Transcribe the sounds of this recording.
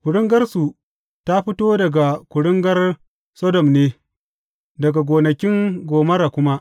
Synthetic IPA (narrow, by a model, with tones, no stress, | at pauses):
kʷʊ˨ɽɪ˦ŋɡɐ˦rsu˨ | ta˦ɸɪ˦toː˦dɐ˨ɡa˨kʷʊ˨ɽʊ˦ŋɡɐ˦r | sɔ˦dɔ˨mneː˦ | dɐ˨ɡa˨ɡʷoː˨nɐ˨kʲɪ˦ŋɡʷoː˨mɐ˦ɾa˨kʷʊ˦ma˦ʔ